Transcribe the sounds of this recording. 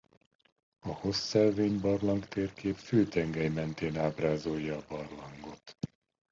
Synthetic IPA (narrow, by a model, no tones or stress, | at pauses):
ɒho̞sːɛlveːɲbɒrlɒŋkt̪eːrkeːpføːt̪ɛŋɡɛjmɛnt̪eːnaːbraːzojːɒːbɒrlɒŋɡo̞t̪